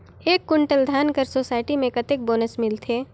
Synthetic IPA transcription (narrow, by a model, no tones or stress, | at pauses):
eːkːʊɳʈəld̪ʱaːnkəɾsoːsaːɪʈimẽkɐt̪ek̚boːnəsmɪlt̪ʰeː